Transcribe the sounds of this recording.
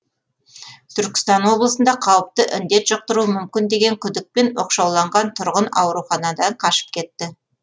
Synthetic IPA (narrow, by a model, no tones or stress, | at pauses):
t̪ʰʏɾkʲɪ̥st̪ɑnwo̞blˠəsənd̪ɑqʰɑwəp̚t̪əʔɪnd̪e̞t̪ʒ̥oq̚t̪əɾuəmʏmkʲɪnd̪e̞ɡʲe̞ŋkʲʰʏd̪ɪk̚pe̞nwoqʃɑwlˠɑɴʁɑnt̪ʰʊɾʁənɑ̰wɾuχɑnɑd̪ɑɴqʰɑʃə̥p̚kʲʰe̞t̪ːɪ